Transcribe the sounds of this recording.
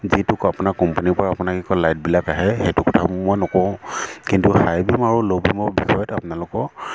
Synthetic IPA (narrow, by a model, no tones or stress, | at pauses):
zitʊkapʊnakːɔmpanipɔɹaːpʊnakikɔlajt̚bilakaɦɛxetʊkɔtʰammojnɔkɔ̃kintuhajbimaɹulobimɔbixɔjɔtapʊnalʊkɔ